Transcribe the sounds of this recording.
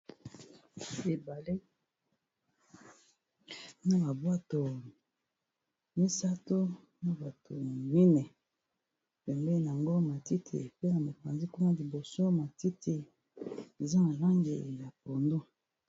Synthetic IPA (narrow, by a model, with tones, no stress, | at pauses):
e˨ba˨le˦ | na˦ba˨bwa˦to˨ | mi˦sa˦to˦ | na˦ba˨tʰo˨mi˦nɛ˨ | pɛ˨mbɛ˦n˨a˨ŋɡo˦ma˨ti˦tʰḛ˨pe˦na˨mo˨pa˨nzi˦ku˦na˦li˨bo˨so˦ma˨ti˦tʰe˨ | e˨za˦na˨la˦ŋɡḛ˨ja˨po˨ndo˦